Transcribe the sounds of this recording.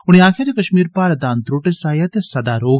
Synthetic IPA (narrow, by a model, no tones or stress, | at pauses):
ʊɽ̃eaːkʰjaːd͡ʒekɐʃmiːɾpaːɾəd̪aːnt̪ɾoːʈesaːjat̪esɐd̪aːɾoːɡ